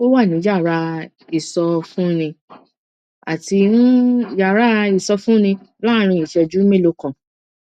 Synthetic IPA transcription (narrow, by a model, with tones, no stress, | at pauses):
ko˦wa˦˨nĩ˨˦d͡ʒa˦˨ɾa˧ | i˨sɔ˧fũ˦nĩ˧ | a̰˨ti˧ñ̩˦d͡ʒa˨ɾa˧˦i˨sɔ˧fũ˦nĩ˧˦lã˦˧ɾ̃ĩ˧˦i˨ʃɛ˧d͡ʒu˨˦mẽ˦lo˧˦kã˨